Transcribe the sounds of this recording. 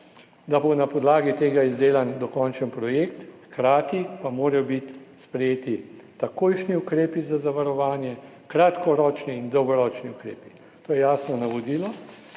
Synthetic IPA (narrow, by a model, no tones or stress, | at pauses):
d̪abonapɔd̪laːɡit̪eːɡaizd̪eːland̪ɔkɔnt͡ʃənpɾɔjekt̪xkɾaːt̪ipamoːɾɐjɔbit̪spɾɛjeːt̪i | t̪akoːjʃniukɾeːpizazaʋaɾɔʋaːnjɛ | kɾat̪kɔɾɔːt͡ʃniːnd̪ɔwɡɔɾɔːt͡ʃniʊkɾḛːpi̥ | t̪oːjɛjaːsnɔnaʋɔd̪ilɔ